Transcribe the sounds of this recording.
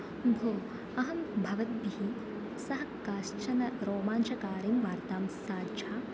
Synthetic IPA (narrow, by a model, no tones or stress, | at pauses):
bʱoː | ɐɦɐmbʱɐʋɐt̪̚biɦi | sɐɦɐkaːʃt͡ʃɐnɐɾoːmaːnʃɐkaːɾimʋaːɾt̪aːmsaːdd͡ʒaː